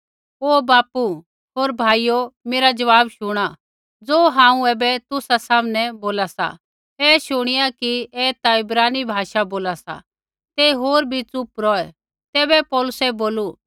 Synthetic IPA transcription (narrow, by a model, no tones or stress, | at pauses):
oːbaːpu | ɦoːɾbʱaːijomeːɾad͡ʒɐʋaːbʃʊɽ̃a | d͡zoːɦãːũɛːbɛt̪ʊsasaːmnɛboːlasa̰ | ɛːʃʊɽ̃ɪjakiɛːt̪aɪbɾaːnibʱaːʃaboːlasa̰ | t̪eɦoːɾbʱit͡sʊpɾɔːɛ | t̪ɛːbɛpɔːlʊsɛboːlu